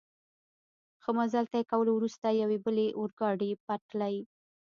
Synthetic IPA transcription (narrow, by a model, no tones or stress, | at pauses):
xəmazalt̪ajekawəlowɾust̪ajawebəleʔʊɾɡɑɖepatlaj